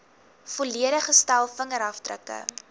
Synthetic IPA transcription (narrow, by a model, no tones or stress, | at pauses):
foliəɾəχəstælˠfəŋəɾɦɐftrə̰kə̰